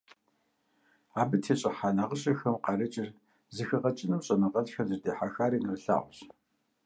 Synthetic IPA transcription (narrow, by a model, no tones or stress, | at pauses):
aːbɨtʰeːɕʼɐħaːnaːʁəɕʼɐxɐmqɑrɐt͡ʃʼɪr | zɨxɐʁɐt͡ʃʼɪnɨmɕʼɐnɐʁɐɮxɐrzɨrdeːħaxaːɾiːnɨrɬa̰ːʁʷʊɕ